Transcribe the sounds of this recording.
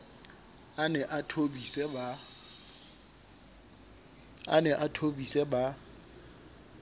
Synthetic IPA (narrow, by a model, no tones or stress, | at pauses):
anɛʔatʰobisɛba | a̰nɛʔatʰobisɛba